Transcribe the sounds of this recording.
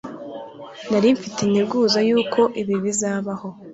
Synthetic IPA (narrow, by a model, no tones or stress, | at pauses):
naɾiɱfitinibɡuːzajuːkʰo̞ʔiβiβizaːβaho̞